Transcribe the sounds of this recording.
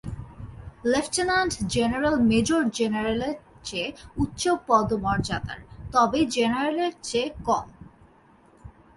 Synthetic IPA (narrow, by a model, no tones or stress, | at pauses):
lefʈenanɖd͡ʑeneɾalmed͡ʑoɾd͡ʑenaɾeleɾt͡ɕeut̪ːʃopɔd̪omɔɾd͡ʑa̰d̪a̰ɾt̪ɔbed͡ʑenaɾaleɾt͡ɕekɔm